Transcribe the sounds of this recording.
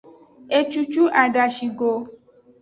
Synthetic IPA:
e˧t͡ʃu˧t͡ʃu˦ʔa˨ɖa˧ʃi˧ɡo˧

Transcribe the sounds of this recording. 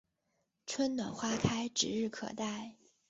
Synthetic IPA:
ʈ͡ʂʰwə˥nnwa˨˩nxwa˥kʰa˥ɪʈ͡ʂɻ̩˧˥ɻɻ̩˥˩kʰɤ̰˨˩t̪a˥˩ɪ

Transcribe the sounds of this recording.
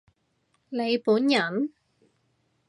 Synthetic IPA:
ne˨˧jpuː˨˥njɐ˨˩n

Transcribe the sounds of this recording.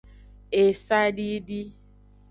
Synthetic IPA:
e˨sa˦ɖi˦di˦

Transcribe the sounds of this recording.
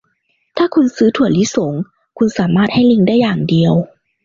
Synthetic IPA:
t̪ʰaː˥˩kʰu˧nsɯː˦˥t̪ʰu˨˩əli˦˥so˩˦ŋ | kʰu˧nsaː˩˦maː˥˩t̪̚ha˥˩jli˧ŋdaː˥˩jːaː˨˩ŋdi˧əw

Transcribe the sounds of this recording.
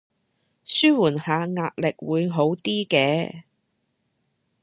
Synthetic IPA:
syː˥wuː˨˩nhaː˨˧ŋaː˧t̚lɪ˨k̚wuː˨˧jɦo˨˥wt̪iː˥kɛː˧

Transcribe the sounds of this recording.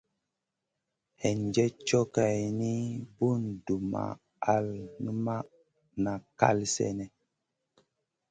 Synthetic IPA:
hɛ˨nd͡ʒɛ˦t͡ʃɔ˦ka˨jni˦bu˦˨ndu˨ma̰˨ | a˦lni˦ma˦ | na˨ka̰˦lsɛ̰˦nɛ˨

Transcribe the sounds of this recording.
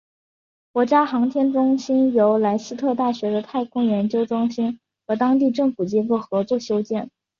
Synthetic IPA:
kwɔ˧˥t͡ɕja˥xɑ˧˥ŋt̪ʰjɛ˥nʈ͡ʂʊ˥ŋɕi˥njo˧˥ʊla˧˥ɪɕ̩˥t̪ʰɤ˥˧t̪a˥˩ɕɥɛ˧˥d̪ə˧t̪ʰa˥˩ɪkʰʊ˥ŋjɛ˧˥nt͡ɕjo˥ʊʈ͡ʂʊ˥ŋɕi˥n | xɤ˧˥t̪ɑ˥ŋt̪̬i˥˧ʈ͡ʂɤ˥˩ŋfu˨˩t͡ɕi˥ko˥˩xɤ˧˥t͡swɔ˥˩ɕjo˥ʊt͡ɕjɛ˥˩n

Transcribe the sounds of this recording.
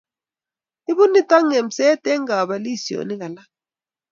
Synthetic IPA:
i˦βu˦ni˦ta˦ŋe˨m̩˨sɛ˦tʼɛ˦ŋɡa˨βa˨li˦˨si˨o̰˨ni˦ɣa˨la˦

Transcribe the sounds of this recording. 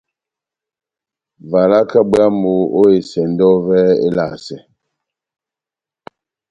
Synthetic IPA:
va˨la˦ka˦bɰa˦mo˨o˦e˨sɛ˨n̩˦dɔ˦vɛ˦ḛ˦la̰˨sɛ˨

